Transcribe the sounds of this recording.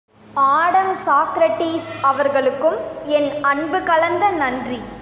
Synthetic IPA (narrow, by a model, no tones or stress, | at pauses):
aːɽɐmsaːkɾɐʈːiːsɐʋɐɾɣɐɭɯkːɯmɛnɐɳbɯkɐlɐnd̪ɐnɐndri